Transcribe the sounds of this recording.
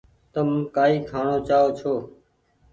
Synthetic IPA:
t̪əmːkaːiːkʰaːɳoːt͡ʃaːoːt͡ʃʰoː

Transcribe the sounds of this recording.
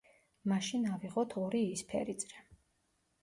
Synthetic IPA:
maʃinaviʁɔt̪ʰɔɾiːspʰɛ̰ɾit̪sʼɾɛ

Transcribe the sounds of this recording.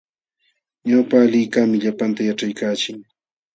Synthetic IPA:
ɲawpaːlɪːkamɪʎapant̪ajaʈ͡ʂajkaːt͡ʃɪŋ

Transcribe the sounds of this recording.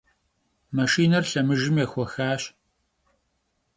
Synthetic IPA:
mɐʃiːnɐrɬɐmɨʒɪmjɛxʷɔxaːɕ

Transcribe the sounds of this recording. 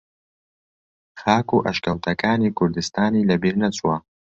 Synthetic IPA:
xɑːkoʔaʃkawt̪ʰakɑːnekʊɾd̪ɪst̪ɑːnelabiɾnat͡swa

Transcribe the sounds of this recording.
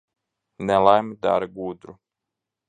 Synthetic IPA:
nɛlˠajmd̪a̰ɾɡuːd̪ɾu

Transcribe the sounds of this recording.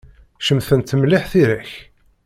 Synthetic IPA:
ʃəmθənt̪ːəmlɪħθiɾæç

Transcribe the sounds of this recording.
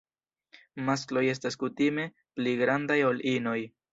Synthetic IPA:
mas̬klo̞je̞s̬taskutime̞ | pliɡɾandajo̞lʔino̞j

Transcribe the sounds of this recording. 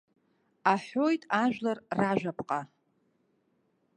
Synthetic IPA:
aħojtʼaʒᶣlarraʒᶣapʼqʼa

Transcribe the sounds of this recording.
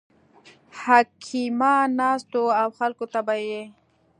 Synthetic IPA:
hakʰimanɑst̪oawxalkot̪abaje

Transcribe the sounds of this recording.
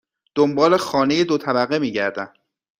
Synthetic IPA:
d̪̥ombɒːle̞xɒːneje̞d̪ot̪ʰæbæɣemiːɟæɾd̪æn

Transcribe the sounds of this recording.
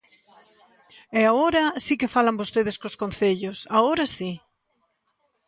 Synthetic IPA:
ɛaoɾɐsikɪfalambost̪eð̞ɪskoskonθeʎosaoɾasi

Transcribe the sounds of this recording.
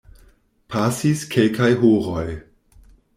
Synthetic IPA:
pʰasiskʰelkajɦuɾoj

